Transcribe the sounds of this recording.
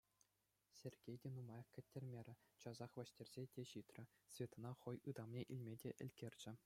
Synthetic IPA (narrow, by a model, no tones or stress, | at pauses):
sʲerʲɡʲejdʲenumɑjɑkkʲɘ̆tʲːerʲmʲeɾʲɘ̆t͡ɕɑzɑχʋʲɑ̆ɕtʲerʲz̥ʲedʲeɕit̪rʲɘ̆svʲet̪ɤ̆nɑχɤ̆jɯd̪ɑmnʲeʔilʲmʲedʲeʔɘ̆lʲkʲerʲd͡ʑɘ̆